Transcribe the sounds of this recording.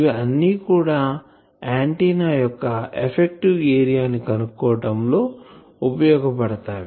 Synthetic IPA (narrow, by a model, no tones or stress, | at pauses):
ʋiɐnːiːkuːɽaː | aːɳʈiːnaːjɔkːɐepʰek̚ʈiʋeːɾijaːnikɐnukːɔːɐʈɐmlo̞ː | upɐjɔːɡɐpɐɽɐt̪aːʋi